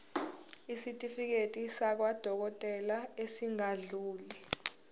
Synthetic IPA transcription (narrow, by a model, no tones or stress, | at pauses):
isitʼifik̬etʼisak̬wad̥ʱɔk̬ɔtʼɛlaesiŋaɮuːli